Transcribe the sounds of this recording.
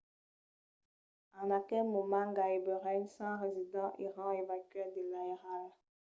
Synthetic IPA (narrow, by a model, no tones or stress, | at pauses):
anakɛlmomaŋɡaibəʁɛnsãʁezidɑ̃ʔiʁɑ̃evakɥɛd̪elaiʁala